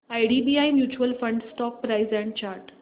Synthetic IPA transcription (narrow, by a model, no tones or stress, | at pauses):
ajɖibiajmjuːt͡ɕuəlfə̃ɳɖsʈɔkpːɾajzɛ̃ɳʈ̚t͡ɕaɾʈ